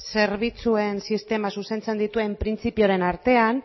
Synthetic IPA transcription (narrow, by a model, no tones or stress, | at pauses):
se̞ɾβ̞it͡sue̞nsist̪e̞masuse̞nt͡se̞nd̪it̪ue̞mpɾint͡sipio̞ɾe̞naɾt̪e̞an